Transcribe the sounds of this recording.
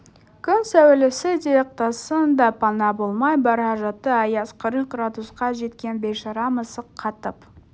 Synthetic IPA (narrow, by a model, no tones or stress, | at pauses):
kʲʰʏnsæwɪlɪsɪd̪ʲiek̚t̪osənd̪ɑpʰɑnɑbolˠmɑjbɑɾɑʒɑt̪ːəɑjɑsqʰəɾəq̚ɡrad̪usqɑʒe̞t̪kʲe̞nbe̞ʃɑɾɑməsəqʰːɑt̪əp